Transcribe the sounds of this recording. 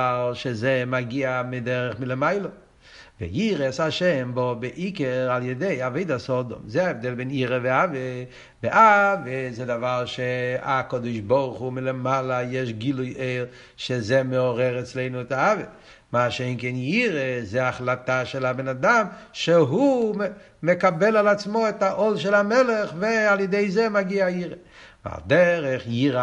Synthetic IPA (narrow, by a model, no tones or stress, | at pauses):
alˠʃezemaɡiamɪdɛɾəχmɪləmaɪlˠo | vɪ̰jiʁɛshaʃɛmbɔbeʔikɛʁalˠjɛdeɪaveɪdasɔdɔ̰mzeaɛvd̪ɛlbɛniɾəvɪave | bɪʔavezɛdavalˠʃeakɔd̪ɔɪʃbɔʁχumɪlemalˠajɛʃɡilˠʊjʔeɪl | ʃezɛmeɔʁɛʁɛt͡sleɪnuɛtaave | maːʃejnkɛnjiʁezeaχlataʃɛlabenadamʃeɦu | mekabɛlalat͡smoɛtaʔɔlʃ̬ɛlamɛleχvealjedeɪzɛmaɡiaiʁe | va̰ld̪ɛɾɛχjiɾa